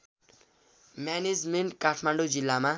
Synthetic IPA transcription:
mjaned͡zmeɳʈkaʈʰmaɳɖod͡zilːama

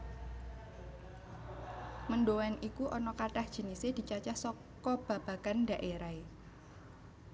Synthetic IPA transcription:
mənɖowɛnʔikuʔɔnɔkaʈahd̥ʒ̥i̤nised̥i̤t͡ʃat͡ʃahsɔ | kɔb̥ä̤b̥ä̤kanɖa̤ʔeɾae

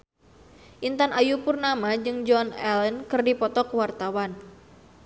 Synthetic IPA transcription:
ʔint̪anʔajupurnamad͡ʒɨŋd͡ʒɔnɛ̰lənkɨrdipɔt̪ɔkwart̪awan

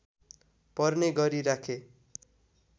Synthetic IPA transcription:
pʌrneɡʌɾiɾakʰe

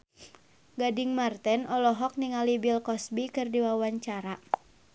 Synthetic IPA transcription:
ɡadiŋmart̪ɛnɔlɔɦɔk̚niŋalibilkɔsbikɨrdiwawaɲt͡ʃaɾa

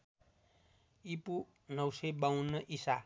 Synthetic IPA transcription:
ipu | nʌwsebawnːʌʔisa

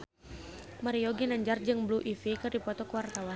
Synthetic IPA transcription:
maɾiɔɡinaɲd͡ʒard͡ʒɨŋbluʔifikɨrdipɔt̪ɔkəwart̪awa

